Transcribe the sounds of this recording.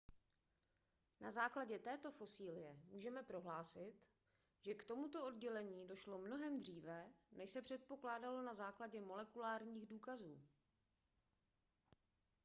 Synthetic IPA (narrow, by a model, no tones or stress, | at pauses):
na̰zaːklaɟɛt̪ɛːt̪o̞fo̞siːlɪjɛmuːʒɛmɛpɾo̞ɦlaːsɪt̪ | ʒ̥ɛkt̪o̞mut̪o̞ʔodɟɛlɛɲiːdo̞ʃlo̞mno̞ɦɛmd̪r̝iːvɛnɛʃsɛpr̥ɛt̪̚po̞klaːdalo̞nazaːklaɟɛmo̞lɛkulaːɾɲiːɣduːkazuː